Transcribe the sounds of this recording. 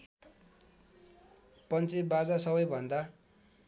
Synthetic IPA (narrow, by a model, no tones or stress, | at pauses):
pʌnt͡sebad͡zasʌβʌjbʱʌnd̪a